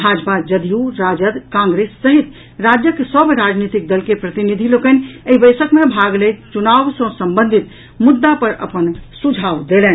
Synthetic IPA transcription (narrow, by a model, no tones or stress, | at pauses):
bʱad͡ʒpad͡ʒəd̪ijuɾad͡ʒəd̪kãŋɡɾesːəɦit̪ | ɾad͡ʒjəkesəbʱɾad͡ʒnit̪ik̚d̪əlkepɾət̪inid̪ʱilokəneibəɪsəkmebʱaɡlejt̪t͡ʃunaʋsə̃səmbənd̪ʱit̪ | mud̪ːapəɾə̰pənsud͡ʒʱaʋd̪elɛn